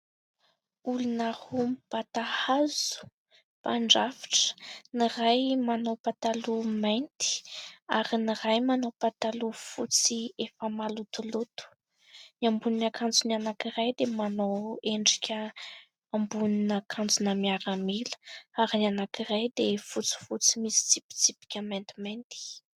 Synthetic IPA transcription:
ulunəhumipat̪ahazu̥ | paɳɖ͡ʐavi̥ʈ͡ʂə̥nirajmanowpat̪alumajnt̪i̥aɾiniɾajmanowpat̪alufut͡siefəmalut̪ulut̪u̥ | niambuninakʰand͡zunianakiɾajd̪emanoweɳɖ͡ʐikʲʰə | ambuninakʰand͡zunəmiaɾəmilə̥aɾinianakirajd̪efut͡si̥fut͡simisi̥t͡sipi̥t͡sipi̥kʲəmejnt̪imajnt̪i̥

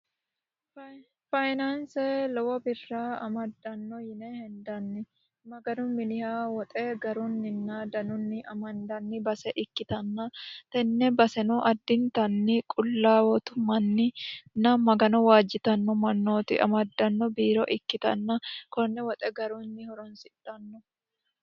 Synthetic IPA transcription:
fɐjnansɛlɔwɐbɪrːaɐmɐd̪ːɐnːɔjɪnɛhɛnd̪ɐnːɪ | mɐɡɐnʊmɪlɪhaːwɔt̪ʼɛɡɐɾʊnːɪnːad̪ɐnʊnːɪʔɐmɐnd̪ɐnːɪbɐsɛʔɪkːɪt̪ɐnːɐt̪ɛnːɛbɐsɛnuʔɐd̪ːɪnt̪ɐnːɪkʼʊlːaːwɔt̪ʊmɐnːɪnɐmɐɡɐnɔwaːd͡ʒɪt̪ɐnːɔmɐnːoːt̪ɪ̰ʔɐ̰mɐd̪ːɐnːɔbiːɾɔʔɪkːɪt̪ɐ̰nːɐkɔnːɛwɔt̪ʼɛɡɐɾunːɪhɔɾɔnsɪᶑɐnːɔ

